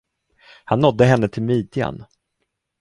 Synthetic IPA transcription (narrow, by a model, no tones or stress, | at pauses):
hanːɔd̪ːəɦɛnːət̪ʰɪlmiːd̪ɪa̰n